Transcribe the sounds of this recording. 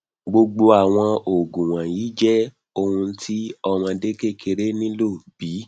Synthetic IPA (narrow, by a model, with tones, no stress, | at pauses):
ɡ͡bo˧ɡ͡bo˧a˨w̃ɔ̃˧o˨ɡũ˨w̃ã˨jiː˨˦d͡ʒɛ˦ | o˧hũ˧˦tʰi˦ɔ˧mã˧de˦ke˦˨kʰe˧ɾe˦nĩ˦lo˦˨b̥i˨˦